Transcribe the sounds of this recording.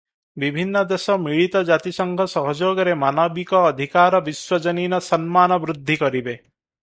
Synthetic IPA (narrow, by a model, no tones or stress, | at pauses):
bibʱinːɔd̪esɔmiɭit̪ɔd͡ʒat̪isɔŋɡʱɔsɔɦɔd͡ʒoɡɔɾemanɔbikɔːd̪ʱikaɾɔbiswɔd͡ʒɔninɔsɔnmanɔbɾud̪ʱːikɔɾibe